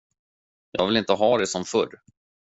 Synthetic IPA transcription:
jɑ̰ːɡvɪlɪnt̪əɦɑːd̪ɛsɔmfɵɾ

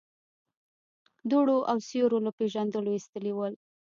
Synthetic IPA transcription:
d̪uɽoʔawsjoɾolapeʒand̪əloist̪əlewəl

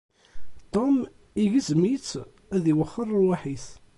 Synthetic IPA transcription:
t̪ˤom | iʝəzmit͡sː | æðiwəχːərˤːəɾwaħiθ

